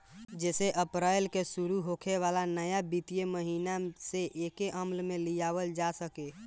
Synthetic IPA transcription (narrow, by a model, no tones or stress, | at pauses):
d͡ʒɛːseʔəpɾajlkesuɾuɦokʰeʋalanəjabit̪ijeməɦinaseʔekeʔəmlmelijaβəld͡ʒasəke